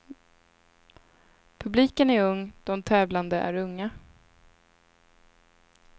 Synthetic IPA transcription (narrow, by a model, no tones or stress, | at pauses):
pʰɵbliːkənæɾɵŋːd̪̥ɔmt̪ʰɛːvland̪əʔæ̰ɾɵŋːa